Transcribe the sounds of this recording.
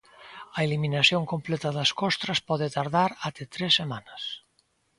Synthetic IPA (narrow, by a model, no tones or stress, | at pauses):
ɐeliminasjoŋkomplɛt̪aðaskɔst̪ɾaspɔð̞et̪aɾðaɾat̪et̪ɾesːemanɐs